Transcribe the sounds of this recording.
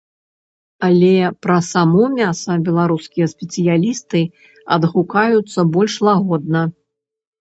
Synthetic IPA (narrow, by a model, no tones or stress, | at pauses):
ɐlʲɛpɾɐsamɔmʲasɐbʲɛlˠaɾuskʲijɐsʲpʲɛt̪sɨjalʲist̪ɨ | ɐ̰d̪ɣukajut̪sːɐbɔlʲʂlˠaɣɔd̪̚nɐ